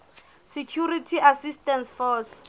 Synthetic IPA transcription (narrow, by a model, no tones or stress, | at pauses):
sekʰjuritʰiasistɛnsfɔs